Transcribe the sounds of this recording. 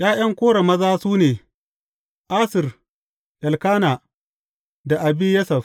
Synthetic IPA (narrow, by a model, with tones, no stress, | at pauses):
j̰ʔaː˦j̰ɐ˦ŋkʷoː˦ɽɐ˨mɐ˦zaː˦suː˦neː˨ | ʔaː˦sɪ˨r | ʔɐ˨lkaː˦naː˨ | da˨ʔa˨biː˦jɐ˦sɐ˨f